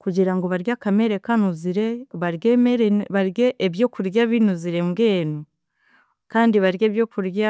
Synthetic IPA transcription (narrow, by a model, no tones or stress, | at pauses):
kuɟiɾaŋɡo̞βaɾjakameɾekanuziɾe̞βaɾɡeeɾβaɾɡeʔːβjo̞ːkuɾjaβinuziɾeŋɡeːnu | kaːndiβaɾje̞ːβjo̞ːkuɾja